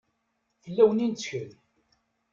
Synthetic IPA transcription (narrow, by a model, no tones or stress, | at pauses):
θəlːæwənint͡sːçəl